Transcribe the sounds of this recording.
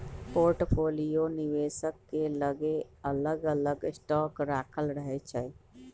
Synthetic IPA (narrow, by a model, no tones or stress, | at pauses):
poɾʈpʰolijoniʋesəkːeləɡeələɡələɡsʈɔkɾakʰəlɾəɦɛt͡ʃʰɛ